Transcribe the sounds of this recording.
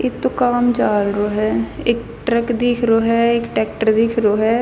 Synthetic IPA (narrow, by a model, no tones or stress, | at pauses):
ɪt̪okaːmt͡ʃaːlɾoɦɛːek | ʈɾəkd̪iːkʰɾoɦɛɪkʈɛːkʈəɾd̪iːkʰɾoɦɛː